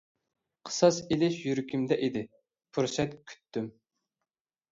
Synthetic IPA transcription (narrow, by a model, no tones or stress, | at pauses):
qʰə̥sɑsilɪʃjyɾkʲʰymd̪ɛʔid̪ɪ | pʰuɾsɛt̪kʲʰy̥t̪ʰːym